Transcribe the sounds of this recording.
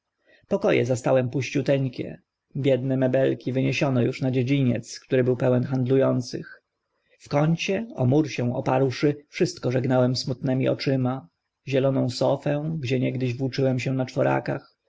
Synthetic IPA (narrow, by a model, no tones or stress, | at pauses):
pɔkɔjɛ̰zast̪awɛmpuɕt͡ɕut̪ɛɲkʲɛ̰ | bʲjɛd̪nɛmɛbɛlkʲivɘɲeɕɔnɔjuʂnad͡ʑed͡ʑiɲɛ̰t̪skt̪uɾɘbɘwpɛwɛnxand̪lujɔnt̪sɘ̰x | fkɔɲt͡ɕɛɔmuɾɕɛw̃ɔ̰paɾwʂɘfʂɘst̪kɔʐɛɡnawɛmsmut̪nɛmʲḭʔɔ̰t͡ʂɘma | ʑɛlɔnɔ̃w̃sɔfɛ̃ɡd͡ʑɛɲɛɡd̪ɘʑvwut͡ʂɘwɛmɕɛnat͡ʂfɔɾa̰kax